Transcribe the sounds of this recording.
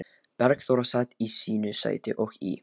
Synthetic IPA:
pɛɾkθowɾasat̪isiːnʏsa̰ːjt̪ɪʔɔxḭ

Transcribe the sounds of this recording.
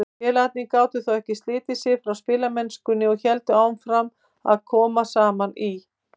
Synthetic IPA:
ɛlat̪nikaːwt̪ʏθawɛhcɪst̪lɪːt̪ɪsɪfɾawspɪːlamɛnskʏnːɪɔçɛlt̪ʏaːwmfɾam | a̰ðkʰɔːmasaːmani

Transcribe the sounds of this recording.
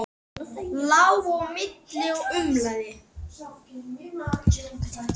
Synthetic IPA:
lawɣɔmɪt̪lɪɔʏmlaðɪ

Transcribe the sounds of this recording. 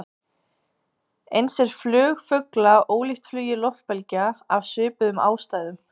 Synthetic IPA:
ejnsɛɾ̥flʏːɣfʏklaoːwliht̪flyːjɪlɔht̪̚pɛlcaavsʏːpʏðʏma̰ːwst̪aːjðʏm

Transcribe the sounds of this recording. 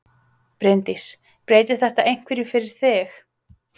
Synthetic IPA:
pɾɪnt̪is | pɾeːjt̪ɪ̥θɛht̪aʔejn̥kvɛɾjʏfɪɾɪɾ̥θɪx

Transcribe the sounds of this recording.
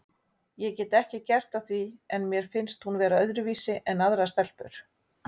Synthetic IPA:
jɛcɛːt̪ɛhcɪcɛr̥t̪aθviɛnmjɛɾ̥fɪnst̪hunvɛːɾaœðɾʏviːsɪʔɛnːaðɾast̪ɛl̥pʏɾ̥

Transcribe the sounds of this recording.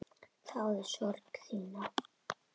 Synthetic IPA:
θawɛðʃɔɾkθiːna

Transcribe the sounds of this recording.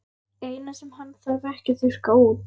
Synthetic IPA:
eːjnasɛmhanːθaðɛhcɪθʏɾ̥kauːt

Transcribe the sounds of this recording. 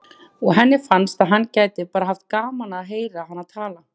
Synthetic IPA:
ɔɣɦɛnːɪfanst̪aðɦanːcaːjt̪ɪpaːɾaɦaft̪̚kaːmanaɦeːjɾaɦanːaðt̪ʰaːla

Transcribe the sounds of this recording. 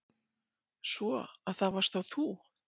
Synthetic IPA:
svɔaðθavar̥st̪θawθu

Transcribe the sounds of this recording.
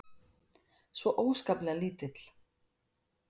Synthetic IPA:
svɔʔoːwskaplɛɣaliːt̪ɪt̪l̥

